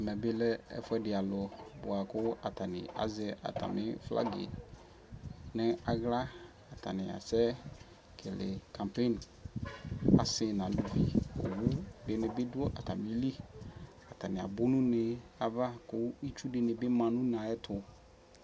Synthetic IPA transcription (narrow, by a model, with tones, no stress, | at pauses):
mɛ˨bɪ˦lɛ˦ɛ̰˦fʊ˦ɛ˦dɪ˨a˨lʊ˨bʊ˨a˨kʊ˦a˨tʰa˨nɪ̰̃˨ʔa̰˨zɛ˦ʔa̰˨tʰa̰˨mɪ̃˦fla̰˦ɡḛ˨ | nɪ̃˦a˨ɣla˦ | a˨tʰa˨nɪ̃˨a̰˨sɛ˦ | kʰɪ˨lɪ̰˨kʰã˨mpe˦˨n | a̰˨sɪ˨nã˨lu˨vi˨o̰˨wu˦dɪ˨nɪ̃˨bɪ˦dʊ˦ɔ˦ʔa˨tʰa˨mɪ̃˦li˦ | a˨tʰa˨nɪ̃˨a̰˨bʊ˦nũ˦nɪ̃˦a˨va˦kʊ˦i˦t͡ʃu˦dɪ˨nɪ̃˨bɪ˦mã˨nũ˦n˨ã˨ɛ˦tʰʊ˨